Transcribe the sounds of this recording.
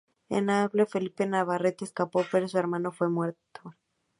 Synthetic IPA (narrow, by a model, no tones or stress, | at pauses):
ḛnaβlefe̞lipenaβaret̪eskapo̞peɾosueɾmãno̞fwe̞mwe̞ɾt̪o